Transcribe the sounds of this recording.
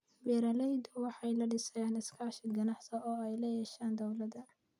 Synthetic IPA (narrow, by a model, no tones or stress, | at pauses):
wɛːɾɐlɛjd̪ʊwɑħɑjlɐɖɪsɛːnɪskʰaːʃɪɡɐnɑħsɐɔːɛjlɐjɛːʃaːnd̪ɐwlɐd̪ɐ